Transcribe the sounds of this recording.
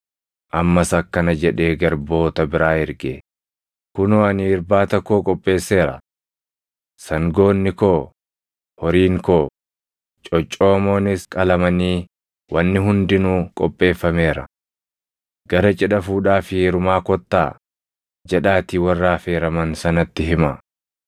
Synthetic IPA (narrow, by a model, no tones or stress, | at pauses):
ʔɐmːɐsɐkːɐnɐd͡ʒɛᶑe̞ːɡɐɾbo̞ːt̪ɐbɪɾaːhɪɾɡeː | kʊnoɐnɪɪɾbaːt̪ɐkːoːkʼɔpʼːe̞ːsːe̞ːɾɐ̰ | sɐŋɡo̞ːnːɪkoː | hɔɾiːŋkoː | t͡ʃʼɔt͡ʃʼːoːmoːnɪskʼɐlɐmɐniː | wɐnːɪɦʊnd̪ɪnuːkʼɔ̰pʼːe̞ːfːɐme̞ːɾɐ̰ | ɡ̥ɐɾɐt͡ʃʼɛᶑɐfuːᶑaːfɪɛɾʊmaːkɔt̪ːa̰ː | d͡ʒɛᶑaːt̪iwɐrːaːfe̞ːɾɐmɐnsɐnɐt̪ːɪɦɪmɐ